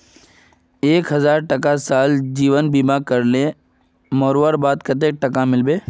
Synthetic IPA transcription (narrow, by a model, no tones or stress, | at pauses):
eːkɦɐzaːɾʈɐkasaːld͡ʒiːʋənbiːmakɐɾle | mɔːɾʋəɾbaːd̪kɐt̪̬eːk̚ʈɐkamɪlbeː